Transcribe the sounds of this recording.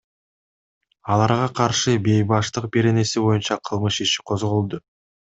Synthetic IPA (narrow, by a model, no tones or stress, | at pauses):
ɑlˠɑɾʁɑqʰɑɾʃɯbe̞jbɑʃt̪ɯq̚be̞ɾe̞ne̞sibo̞junt͡ʃɑqʰɯlˠmɯʃiʃi̥qʰo̞zʁolˠd̪ʊ